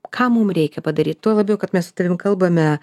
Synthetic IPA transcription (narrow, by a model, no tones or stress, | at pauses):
kʰɑːmumɾʲɛɪkʲɛpɐd̪ɐɾʲiːt̪t̪uɔlˠɐbʲjɛʊkɐt̪mʲɛsʊt̪ɐɾʲɪmkɐlˠbɐmʲɛ